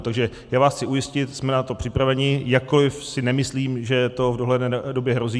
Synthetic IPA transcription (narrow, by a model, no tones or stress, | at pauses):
t̪aɡʒɛ | jaːvaːsxt͡sɪʔujɪscɪt̪smɛnat̪o̞pr̥ɪpɾavɛɲɪjakkːolɪfsɪnɛmɪsliːmʒɛt̪o̞vdoɦlɛdɛdo̞bjɛɦɾo̞ziː